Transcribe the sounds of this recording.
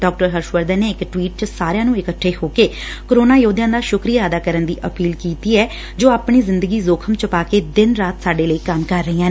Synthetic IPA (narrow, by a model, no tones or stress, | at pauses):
ɖɔːk̚ʈəɾɦəɾʃʋəɾd̪əːneːɪkʈwiːʈ̚t͡ʃəsaːɾjãːnũːɪkəʈʰːeːɦoːkeː | koɾoːnaːjoːd̪jãːd̪aːʃʊkɾijaːəd̪aːkəɾənd̪ḭːʔəpiːlkiːt̪iːɛː | d͡ʒoːaːpɳ̃iːzɪnd̪əɡiːzoːkʰəmt͡ʃəpaːkeːd̪ɪnɾaːt̪saːɖeːləikəmkəɾːəiːãː